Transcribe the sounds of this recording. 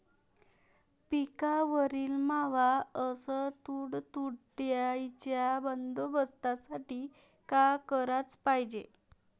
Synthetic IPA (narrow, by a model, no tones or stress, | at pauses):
pikaʋəɾiːlmaʋaəsət̪uːɽt̪uɽʈjajt͡ɕjabənd̪obəst̪asaʈiː | kakəɾat͡spajd͡ʑe